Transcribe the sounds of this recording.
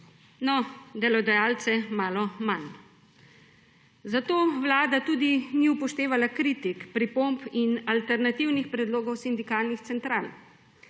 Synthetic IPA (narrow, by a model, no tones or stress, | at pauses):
nɔd̪ɛlɔd̪ajalt̪sɛmaːlɔman | zat̪oːʋlaːd̪at̪uːd̪iniupɔʃt̪eːʋalakɾiːt̪ikpɾipompinalt̪ɛɾnat̪iwnixpɾɛd̪loːɡɔwsind̪ikaːlnixt̪sɛnt̪ɾaːl